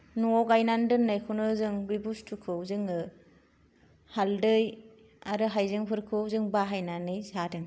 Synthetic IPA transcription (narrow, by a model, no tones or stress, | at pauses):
nuɔɡajnandɯnːajkʰunɯzɯŋbibustʰukʰɯwzɯŋɯ | haldɯj | aɾɯɦajzɯŋpʰɯɾkʰɯzɯŋbaɦajnanɯjzadɯŋ